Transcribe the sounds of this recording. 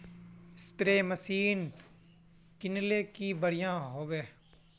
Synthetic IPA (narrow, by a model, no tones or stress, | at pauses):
ɪst̪ɾeːməsiːn | kɪnleːkibəɽ̤ijãːɦoːʋeː